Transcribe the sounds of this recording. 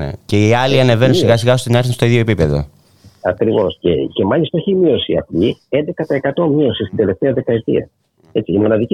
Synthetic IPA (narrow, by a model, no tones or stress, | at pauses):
ḛce̞iɐliɐne̞ve̞nunsiɣɐsiɣɐost̪inɐɾθinst̪o̞iðʝo̞epipe̞ðo̰ | ɐkɾivo̞scḛce̞mɐlist̪ɐeçimio̞siɐ̰plie̞nd̪e̞kɐt̪ɐe̞kɐt̪o̞mio̞sist̪ind̪e̞le̞ft̪eɐðe̞kɐe̞t̪ḭɐ̰ | e̞t͡siːmo̞nɐðici